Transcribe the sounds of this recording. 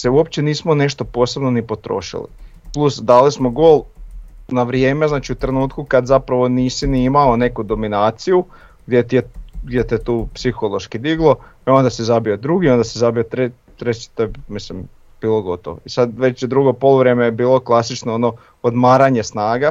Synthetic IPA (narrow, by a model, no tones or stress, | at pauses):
seuo̞pt͡ɕeniːsmone̞ʃt̪o̞po̞ːse̞bnonipo̞t̪ɾo̞̰ːʃḭlḭ | plˠusd̪aːlismoɡo̞ːlˠ | naʋɾjeːme̞znaːt͡ʃiut̪ɾe̞nuːt̪kukad̪zapɾaʋo̞niːsiniimaone̞kud̪o̞minaːt̪siju | ɡd̪jet̪ieɡd̪jet̪iet̪uːpsixolˠo̞ʃkid̪iɡlˠo̞eo̞nd̪asizabiod̪ɾuɡiond̪asizabiot̪ɾe | t̪ɾet͡ɕi̥t̪oemislim | b̥iːlˠo̞ɡo̞t̪oʋo̰isad̪ʋe̞t͡ɕjed̪ɾuɡo̞po̞lˠuʋɾemejebiːlˠo̞klˠasit͡ʃnoono̞ | od̪maːɾaɲe̞snaːɡa